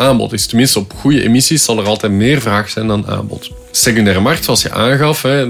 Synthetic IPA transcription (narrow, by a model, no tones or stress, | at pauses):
aːmbɔ̰tɪstəmɪnstəɔpxujəʔḛmisiszɑlˠərɑlˠtɛtmeːrvraːxsɛjndɑna̰ːmbɔ̰t | sekyndɛːɾəmɑrktsoɑlˠsjə̰ʔa̰ːnɣɑfɦɛ